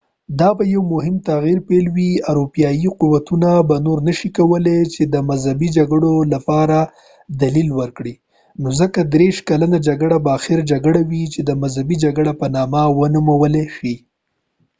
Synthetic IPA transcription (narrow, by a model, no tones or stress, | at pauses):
d̪ɑbajawmʊɦɪmt̪aɣiɾpelwiaɾopijɑjiquwat̪unabanoɾnəʃikawəlet͡ʃed̪əmazhabid͡ʒaɡəɽolapɑɾa | d̪alilwəɾkɽi | nozəkad̪ɾeʃkalanad͡ʒaɡəɽabaːxɪɾd͡ʒaɡəɽawit͡ʃed̪əmazhabid͡ʒaɡɽapənɑmawənumawəleʃi